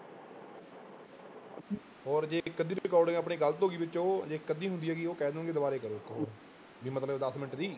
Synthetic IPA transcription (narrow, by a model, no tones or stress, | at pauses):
ɔːɾd͡ʒeːkəd̪ĩːɾɪkɔːɾɖẽapɳiːɡəlt̪oːɡiːbɪt͡ʃõːd͡ʒeːkəd̪iːɦʊnd̪iːɛːɡiːoːkɛːd̪ənɡeːd̪ʊbaːɾeːkəɾoːkɦoː | biːmət̪ləbd̪əsmɪnəʈd̪iː